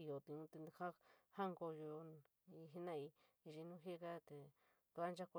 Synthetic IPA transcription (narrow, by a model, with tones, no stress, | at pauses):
i˧jo˨t̪i˧ũ˧˦t̪e˧ha˦hã˦ŋɡo˧ju˧ | i˧ɦi˦nã˦i˧ | i˧ʐi˧nũ˦ɦe˦˧ka˦t̪e˧˨ | t̪u˨˧a˦nd͡ʒa˦ko˧